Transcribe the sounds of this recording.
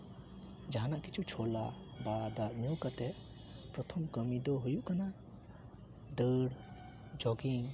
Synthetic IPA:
d͡ʒaɦanaʔkit͡ʃʰut͡ʃʰɔlabad̪aʔɲuwkat̪ɛʔ | pɾɔt̪ʰɔmkəmid̪ɔɦujuʔkana | d̪əɽ | d͡ʒɔɡiŋ

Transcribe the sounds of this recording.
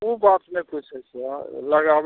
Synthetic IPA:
ubat̪meput͡ʃʰɛsɛaləɡab

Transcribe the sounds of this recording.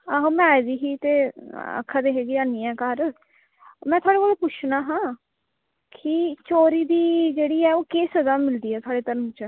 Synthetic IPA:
aɦõːmɛ̃ːd̪iːɦiːt̪eːə̰kʰːaːd̪eːɦeːɡiːaːniːɛ̃ːkəɾ | mɛ̃ːt̪ʰwaːɽeːkoːloːpʊt͡ʃʰnaːɦãː | kʰɪt͡ʃoːɾiːd̪iːd͡ʒeːɽiːɛːoːkeːsəzaːmɪld̪iːɛːt̪ʰwaːɽeːt̪əɾəmt͡ʃə

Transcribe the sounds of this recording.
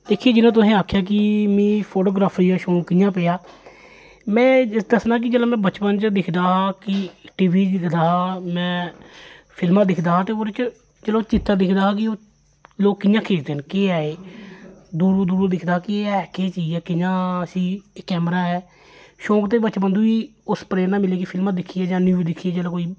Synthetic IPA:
d̪eːkʰːieːd͡ʒɪnãːt̪̬ʊsẽːaːkʰjaːk̬ɪmĩːpʰoːʈoːɡɾaːpʰɾiːaːʃõːkːɪjãːpeaː | mɛ̃ːd̪əsnaːk̬ɪd͡ʒəlõːmɛ̃ːbət͡ʃpənt͡ʃd̪ɪkʰd̪aːɦaːkɪʈiːʋiːd̪ɪkʰd̪aːɦaːmɛ̃ː | pʰɪlmãːd̪ɪkʰd̪aːɦaːt̪eːoːɾɪt͡ʃ | d͡ʒəloːt͡ʃɪt̪ːaːd̪ɪkʰd̪aːɦaːkɪoː | loːkːɪjãːkʰeːd͡ʒd̪eːɦənkeːaːeː | d̪uːɾoːd̪uːɾũd̪ɪkʰd̪aːkɪeːɛːkeːt͡ʃiːɛːkɪjãːəsĩːkːɛːmɾaːɦɛː | ʃõːkt̪eːbəːt͡ʃbənd̪uːiːʊspɾeːnãːmɪleːk̬ɪpʰɪlmãːd̪ɪkʰːiːɛːd͡ʒãːnjuːd̪ɪkʰːijaːd͡ʒəlãːkoːiː

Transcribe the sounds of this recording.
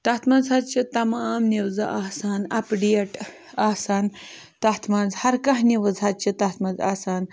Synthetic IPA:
t̪ɐht̪ʰmɐnzɐdt͡ʃit̪ɐmaːmniwzɐ̰ʔaːsaːnɐpɖieʈ | aːsaːn | t̪ɐɦt̪ʰmɐnzhɐɾkɐɦniʋəzɦɐt͡ʃit̪ɐt̪ʰmɐnza̰saːn

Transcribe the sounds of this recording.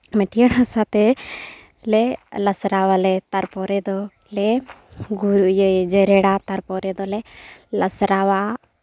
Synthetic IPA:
mɛʈʰijəɽɦasat̪ɛ | lɛləsɾawalɛt̪aɾpɔɾɛd̪ɔ | lɛɡuɾuʔjəd͡ʒɛɾɛɽat̪aɾpɔɾɛd̪ɔlɛləsɾawa

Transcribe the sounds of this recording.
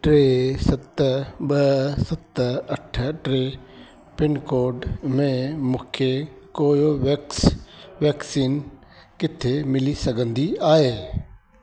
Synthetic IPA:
ʈɾeːsɐt̪ɓɐsɐt̪ɐʈʰʈɾeː | pɪnkoːɾɖmẽmũːkʰe | koːjoʋeksʋɛːksiːn | kɪt̪ʰemɪlisɐɡʱə̃nd̪iaːɦeː

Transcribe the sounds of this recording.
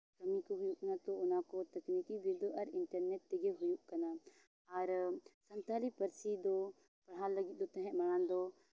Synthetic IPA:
kəmikoɦʊjuʔnat̪oʊnakot̪ɐknikibid̪oʔɐɾɪɳʈəɾnɛʈt̪eɡeɦʊjuʔkɐna | ɐɾsənt̪aːlipəɾsid̪o | pɐɽ̤alːəɡɪt̪̚ˀd̪ot̪ɛ̃ɦɛ̃məɽãːnd̪o

